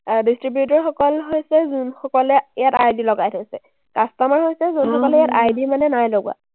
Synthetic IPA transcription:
distɹibjut̬ɔɹxɔkɔlɦojsɛzunxɔkɔlɛijatajdilɔɡajtʰɔsɛ | kastɔmaɹɦojsɛzunxɔkɔlɛijatajdimanɛnajloɡ̰a̰

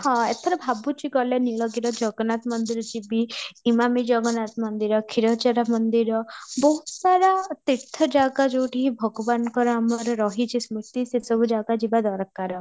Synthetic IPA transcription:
hɔ̃et̪ʰɔɾɔbʱabut͡ʃiɡɔleniɭɔɡiɾɔd͡ʒɔɡɔnat̪mɔnd̪iɾɔd͡ʒibiimamid͡ʒɔɡɔnat̪mɔnd̪iɾɔkʰiɾɔt͡ʃaɾamɔnd̪iɾɔbɔɦut̪saɾat̪it̪ʰːɔd͡ʒaɡad͡ʒowʈiɦibʱɔɡɔbanɔkɔɾɔamɔɾɔɾɔɦit͡ʃʰismut̪isesɔbʱud͡ʒaɡad͡ʒibad̪ɔɾkaɾɔ

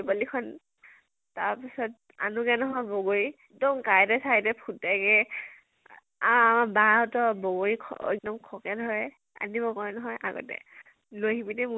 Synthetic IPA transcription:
palikʰɔn | taɹpisɔt̚ | a̰nuɡɛnɔɦɔjbɔɡoɹi | dɔŋkajɛtɛsajtɛpʰutːajkɛ | aamabaɹaʊtɔbɔɡoɹikʰɛk̚dɔmkʰɔkɛdʱɔɹɛ | a̰nibɔkɔɹɛnɔɦɔjʔa̰ɡɔ̰tɛ̰ | loɦibidɛmu

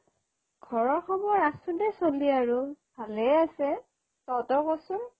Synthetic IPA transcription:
ɡ̥ʱɔɹɔɹxɔmɔɹasudɛsoliaɹub̥ʱalɛasɛ | sɔtɔkɔsʊ

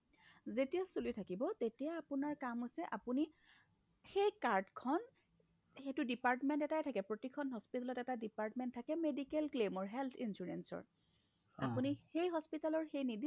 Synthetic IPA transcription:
zetijasulitʰakibɔtetijaːpʊnaɹkamɦojsɛʔapuni | xejkaɹdkʰɔn | xetʊdipaɹtmɛntɛtajtʰakɛpɹotikʰɔnɦɔspitalɔtɛtadipaɹtmɛntʰːakɛmedikelklemɔɹɦɛlt̪ʰinsuɹḛnsɔ̰ɹ | a̰punixejɦɔspitalɔɹxejnidi

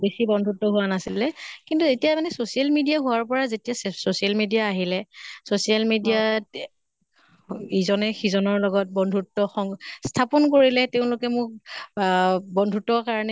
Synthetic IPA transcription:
besibɔndʱutːɔɦuwanasilɛkintuetijamanɛsosialmidijaɦuwaɹpɔɹazetijassosialmedijaːɦilɛsosialmidijat | izɔnɛxizɔnɔɹlɔɡɔt̚bɔndʱutːɔxɔŋstʰapɔnkoɹilɛteʊ̃lʊkɛmʊk̚ | bɔndʱutɔkaɹɔnɛ

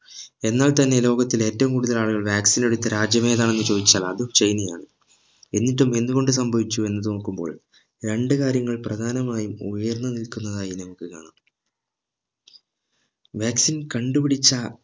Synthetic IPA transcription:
e̞nːaːlt̪ɐnːe̞lo̞ːɣɐt̪ːile̞ːtːɐʋumkuːɽuðɐlaːɭuɣɐɭʋjaːksine̞ɽut̪ːɐɾaːd͡ʑjɐme̞ːðaːɳe̞nːɨt͡ɕo̞ːd̪it͡ɕːaːlɐːðumt͡ɕejnijaːɳɨ | e̞nːitːume̞nːuɣo̞ɳɖɨs̬ɐmbʱɐʋit͡ɕːue̞nːɐðɨnoːkːumbo̞̰ːɭ | ɾe̞ɳɖɨkaːɾjɐŋːɐɭprɐd̪ʱaːnɐmaːjumujɐrnːɐnilkunːɐðaːjinɐmɐkːɨkaːɳam | ʋaːksinkɐɳɖupiɽit͡ɕːɐ

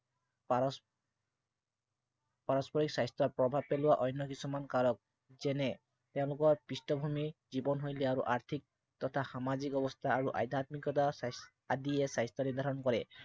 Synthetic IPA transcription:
paɹɔspɔɹiksajstɔpɹɔbʱab̚pelʊwaʔɔjnːɔkisumankalɔk̚ | zɛnɛ | t̪eʊ̃lʊkɔɹpɹistɔbʱumizibɔnɦojlɛaɹuʔaɹt̪ʰik̚ | t̪ɔt̪ʰaxamazikɔbɔst̪ʰaːɹuʔa̰jd̪ʱat̪mikɔtas | adiɛsajstɔniɹd̪ʱaɾɹɔnkɔɹɛ

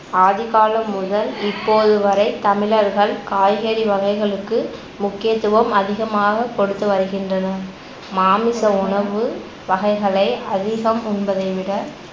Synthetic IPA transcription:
aːðɪɣaːlɐmːʊðɐlɪpːoːðɯʋɐɾɐɪt̪ɐmɪlɐɾɣɐɭkaːjɣeːɽiʋɐɣɐɪɣɐɭɯkːɯ | mʊkːɪjɐt̪ːɯʋɐmɐðɪɣɐmaːɣɐkɔɽɯt̪ːɯʋɐɾɯɣɪndrɐnɐ | maːmɪsɐʊɳɐʋɯ | ʋɐɣɐɪɣɐɭɐɪʔɐðɪɣɐmʊnbɐðɐɪʋɪɽɐ

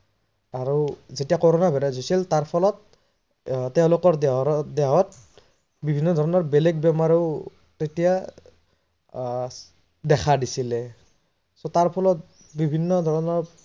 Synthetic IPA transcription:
aɹuzetijakɔɹɔnabɛɾɛzojsiltaɹpʰɔlɔt̪̚ | tɛʊ̃lʊkɔɹdɛɦɔt̚ | bibʱinːɔd̪ʱɔɹɔnɔɹbeleɡ̚bɛmaɹiʊ | tetija | dɛkʰadisilɛ | sotaɹpʰɔlɔt̚ | bibʱinːɔd̪ʱɔɹɔnɔɹ

